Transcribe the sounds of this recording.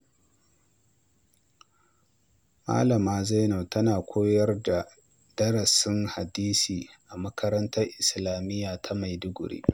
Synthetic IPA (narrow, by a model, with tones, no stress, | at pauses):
ma̰ː˦lɐ˨maː˦za˦no˨tɐ˦naː˨kʷʰoː˦jɐ˦rda˨ | d̥ɐ˦ɽɐ˨sɪ˦ŋha˨diː˦siː˨ʔa˨mɐ˦kʰɐ˦ɾɐ˦ntɐ˦rʔɪ˨slaː˨mɪ˦jaː˨tʰa˦ma˨jdʊ˦ɡʷʊ˨ɽḭː˦